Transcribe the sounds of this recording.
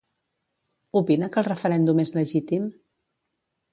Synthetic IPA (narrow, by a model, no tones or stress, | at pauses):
upinəkəlˠrəfəɾɛnd̪umezləʒit̪im